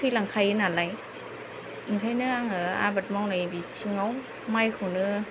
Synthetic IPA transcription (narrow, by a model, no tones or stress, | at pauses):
kʰɯlaŋkʰajɯnalaj | itʰajnɯaŋɯa̰bat̚mawnajbit͡ʃʰiŋaw | majkʰunɯ